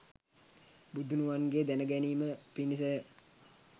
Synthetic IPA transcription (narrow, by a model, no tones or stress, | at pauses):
bud̪ʱunuʋanɡeːd̪ænəɡæniːməpinisə